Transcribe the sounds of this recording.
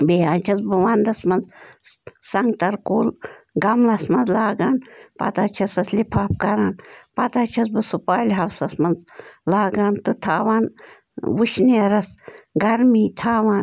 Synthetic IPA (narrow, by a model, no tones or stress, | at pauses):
beaːnt͡ʃʰɐt͡sbɨʋaːnd̪ɐsmɐnz | sɐŋɡ̚t̪ɐɾkoːlɡɐmlɐsmɐnzlaːɡanpɐ̰t̪aːt͡ʃʰɐsɐslipʰaːp̚kɐɾaːnpɐt̪aːt͡ʃʰɐsbɨsupaːjlʲɦɐwsɐsmɐnzlaːɡaːnt̪ɨt̪ʰaːʋaːn | wuʃniɾɐsɡɐɾmiːt̪ʰaːʋaːn